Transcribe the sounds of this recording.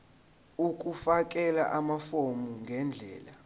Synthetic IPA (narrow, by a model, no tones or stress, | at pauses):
ukʼufakʼɛla̰ʔamafomuŋɡʱɛnd͡ɮʱɛ̰ːla